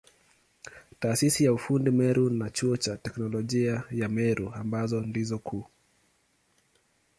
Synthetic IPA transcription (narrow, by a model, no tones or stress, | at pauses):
taːsisijaufundimɛɾʔunat͡ʃuɔt͡ʃatɛknɔlɔʄiajamɛɾʔuambazɔndizɔkʰuː